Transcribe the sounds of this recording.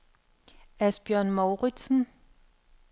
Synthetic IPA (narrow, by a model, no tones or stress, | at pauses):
æsb̥jœɐ̰nmoʊʁid̥sn̩